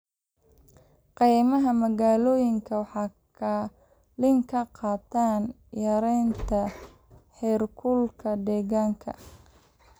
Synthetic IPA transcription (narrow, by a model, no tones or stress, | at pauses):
qijmɐɦɐmɐɣaːlɔːjɪŋkʰɐwɑħɑːkʰɐ | lɪŋkʰɐqɑːt̪ʰaːn | jɐɾɛjnt̪ʰɐ | ħɛːrkʰʊlkʰɐd̪ɛːɣaːŋkʰɐ̰